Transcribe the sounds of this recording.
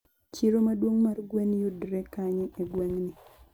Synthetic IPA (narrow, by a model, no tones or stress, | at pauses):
t͡ʃiɾomadwoŋmarɡwenjodɾekaɲeʔeɡweŋni